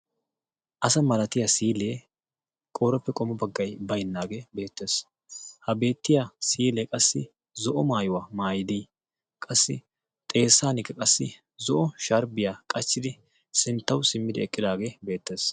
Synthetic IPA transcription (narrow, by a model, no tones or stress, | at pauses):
ʔɐsɐmɐlɐt̪ɪjasiːleː | kʼoːɾɔpːɛkʼɔmɔbɐɡːɐjbɐjnːaːɡebe̞ːt̪ːe̞ːs | hɐbe̞ːt̪ːɪjasiːleːkʼɐsːɪ | zɔʔɔmaːjʊwamaːjɪd̪ij | kʼɐsːɪ̰ | t̪ʼe̞ːsːaːnɪkːɐkʼɐsːɪ | zɔʔɔʃɐɾbɪjaːkʼɐt͡ʃːɪd̪ɪ | sɪnt̪ːɐwsɪmːɪd̪ɪɛkʼːɪd̪aːɡeːbe̞ːt̪ːe̞ːs